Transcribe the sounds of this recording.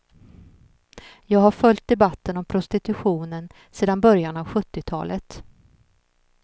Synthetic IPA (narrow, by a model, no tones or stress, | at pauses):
jɑːɡɦaɾfœlt̪̚d̪ɛbat̪ːənɔmpʰɾʊst̪ɪt̪ɵɧuːnən | seːd̪anbœɾjanavɧɵt̪ːɪt̪ʰɑ̰ːlət̪